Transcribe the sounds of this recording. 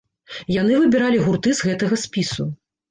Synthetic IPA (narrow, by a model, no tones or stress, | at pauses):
janɨvɨbʲiɾalʲiɣurt̪ɨzɣɛt̪ɐɣɐsʲpʲisu